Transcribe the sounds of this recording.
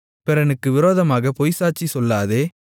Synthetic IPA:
pɛɾɐnɯkːɯʋɪɾoːðɐmaːɣɐpɔjsaːʈt͡ʃːisɔlːaːðeː

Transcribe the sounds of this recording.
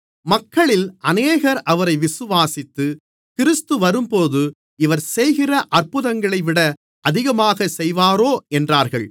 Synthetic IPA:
mɐkːɐɭɪlʔɐneːɣɐɾʔɐʋɐɾɐɪʋɪsɯʋaːsɪt̪ːɯ | kɪɾɪst̪ɯʋɐɾɯmpoːðɯ | ɪʋɐɾsɛjɣɪrɐʔɐrpɯðɐŋɡɐɭɐɪʋɪɽɐ | ʔɐðɪɣɐmaːɣɐsɛjʋaːɾoːɛndraːɾɣɐɭ

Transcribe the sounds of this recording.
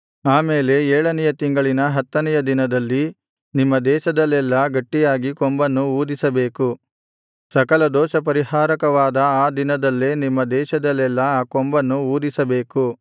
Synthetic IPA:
aːmeːle̞eːɭɐnɛjɐt̪iŋɡɐɭinɐɦɐt̪ːɐnɛjɐd̪inɐd̪ɐlːi | nimːɐd̪ɛːʃɐd̪ɐlːɛlːɐɡɐʈːijaːɡikombɐnːuuːd̪isɐbe̞ːku | sɐkɐlɐd̪ɔːʃɐp̬ɐɾiɦaːɾɐkɐʋaːd̪ɐaːd̪inɐd̪ɐlːeːnimːɐd̪ɛːʃɐd̪ɐlːɛlːɐaːkɔmbɐnːuuːd̪isɐbe̞ːku

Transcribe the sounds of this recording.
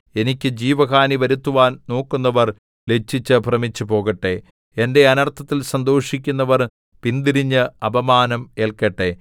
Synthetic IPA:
e̞nikʲːɨd͡ʑiːʋɐkaːniʋɐɾut̪ːuʋaːnno̞ːkːunːɐʋɐr | le̞t͡ɕːit͡ɕːɨbʱrɐmit͡ɕːupo̞ːɣɐʈːe̞ | ende̞ɐnɐrt̪ʰːɐt̪ːilsɐnd̪o̞ːʂik̬ʲːunːɐʋɐr | pind̪iɾiɲːɨɐbɐmaːnɐme̞ːlkɐʈːe

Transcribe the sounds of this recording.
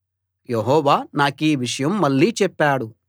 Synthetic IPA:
jeɦɔːʋaːnaːkiːʋiʂɐjɐmːɐɭːiːt͡ʃɛpːaːɽu

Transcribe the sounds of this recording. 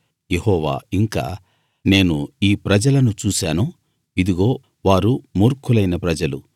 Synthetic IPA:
jehɔːʋa̰ːiŋka̰ː | ne̞ːnuiːpɾɐd͡ʒɐlɐnut͡ʃuːsaːnu | id̪iɡo̞ː | ʋaːɾumuːɾkʰulɐjnɐpɾɐd͡ʒɐlu

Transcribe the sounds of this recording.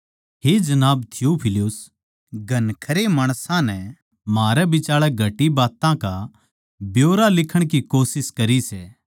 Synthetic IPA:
ɦed͡ʒɐnaːbt̪ʰɪjupʰɪlʊs | ɡʱɐnkʰɐɾemaːɽ̃sãnɛ | maːɾɛbɪt͡ʃaːɭɛɡʱɐʈibaːt̪ãka | bjoːɾalɪkʰəɽ̃k̬ikoːsɪskɐɾisɛː

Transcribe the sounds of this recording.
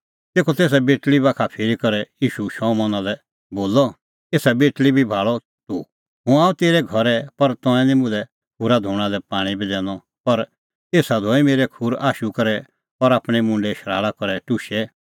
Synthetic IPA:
t̪eːkʰɔt̪eːs̬abeːʈlibaːkʰapʰeːɾikɐɾɛjiːʃuʃɔ̃ːmɔ̃nãlɛ | boːlɔ | eːsabeːʈlibʱibʱaːɭɔ | t̪u | ɦũãːũt̪eːɾɛɡʱɐɾɛpɐɾt̪ɔ̃ɛ̃nĩmʊ̃lɛ | bʊɾad̪ʱuːɽ̃ãlɛpaːɽ̃ibʱid̪ɛ̃ːnɔ | pɐɾ | eːsad̪ʱɔimeːɾɛkʰuɾaːʃukɐɾɛ | pɔɾaːpɽ̃imʊ̃ɳɖɛʃɐɾa̰ːɭakɔɾɛʈʊʃɛ

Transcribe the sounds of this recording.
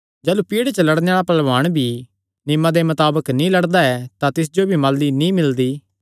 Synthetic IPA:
d͡ʒɛːlupiːɽet͡ʃəlɐɽnejaːɭapɐlʋaːɽ̃bʱi | nɪmad̪emɐt̪aːbəknĩlɐɽd̪aɛt̪at̪ɪs̬d͡ʒobʱimaːldinĩmɪld̪iː

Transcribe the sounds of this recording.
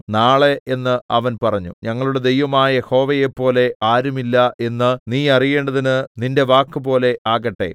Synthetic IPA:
naːɭeenːɨɐʋɐnpɐrɐɲːṵɲɐŋːɐɭuɽe̞d̪e̞jʋɐmaːjɐje̞ho̞ːʋɐjepːo̞ːle̞aːɾumilːɐe̞nːɨniːɐrije̞ːɳɖɐðinɨninde̞ʋaːkːɨpo̞ːle̞aːɣɐʈːe̞̰

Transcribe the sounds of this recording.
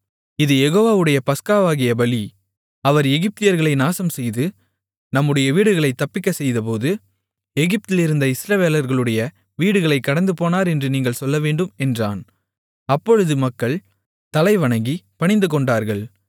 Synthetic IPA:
ɪðɯjɛɣoːʋaːʋɯɽɐjɐpɐskaːʋaːɣɪjɐbɐli | ɐʋɐɾɛɣɪp̚t̪ɪjɐɾɣɐɭɐɪnaːsɐmsɛjðɯ | nɐmːɯɽɐjɐʋiːɽɯɣɐɭɐɪt̪ːɐpːɪkːɐsɛjðɐp̬oːðɯ | ɛɣɪp̚t̪ɪlɪɾɯnd̪ɐɪsɾɐʋeːlɐɾɣɐɭɯɽɐjɐ | ʋiːɽɯɣɐɭɐɪkːɐɽɐnd̪ɯpoːnaːɾɛndrɯniːŋɡɐɭsɔlːɐʋeːɳɖɯmɛndra̰ːn | ɐpːɔɻɯðɯmɐkːɐɭ | t̪ɐlɐɪʋɐɳɐŋɡipɐɳɪnd̪ɯkɔɳɖaːɾɣɐɭ

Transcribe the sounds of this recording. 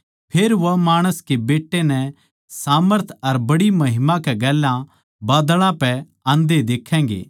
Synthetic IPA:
pʰeːɾʋɐmaːɽ̃əskebeːʈːenɛ | saːməɾt̪ʰɐɾbɐɽimɐɦɪmakɛɡɛːlːã | baːd̪ɭãpɛ | ãːnd̪ed̪eːkʰːɛ̃ːɡḛː

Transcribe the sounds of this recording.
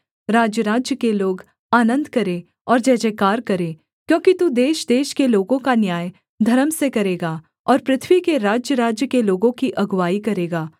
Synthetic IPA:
ɾaːd͡ʒjəɾaːd͡ʒjəkeloːɡ | aːnə̃nd̪kɐɾe | ɔːɾd͡ʒɛːd͡ʒekaːɾkɐɾeː | kjõːkit̪ud̪eːʃd̪eːʃkeloːɡõkanjaːj | d̪ʱɐɾəmsekɐɾeːɡaː | ɔːɾpɾɪt̪ʰwikeɾaːd͡ʒjəɾaːd͡ʒjəkeloːɡõkiʔɐɡʋaːikɐɾeːɡaː

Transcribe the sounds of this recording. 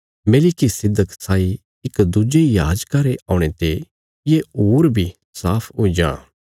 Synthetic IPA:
meːlikisɪd̪ːəksaːi | ɪkd̪ʊd͡ʒejaːd͡ʒkaɾeʔaːʊ̃ɽ̃et̪e | jeuːɾbʱi | saːpʰoːid͡ʒã̰ː

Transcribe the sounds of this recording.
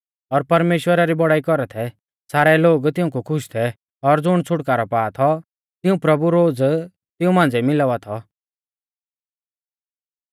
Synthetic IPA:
ɔɾpɐɾmeːʃwəɾaɾibɔɽaːikɔɾɛt̪ʰɛ | saːɾɛloːɡt̪ɪũkukʰʊʃt̪ʰɛ | ɔɾd͡zʊɽ̃t͡sʰʊʈkaːɾɔpaːt̪ʰɔ | t̪ɪũpɾɐbuɾoːd͡z | t̪ɪũmãːn̆d͡zɛmɪlaʋat̪ʰɔ

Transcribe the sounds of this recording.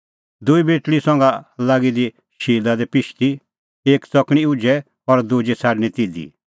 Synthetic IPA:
d̪uibeːʈɭisɔ̃ŋɡalaːɡid̪i | ʃiːlad̪ɛpɪʃt̪i | eːkt͡sɔkɽ̃iud͡ʒɛ | ɔɾd̪ud͡ʒɛsʰaːɖñɛ̃t̪id̪ḭ

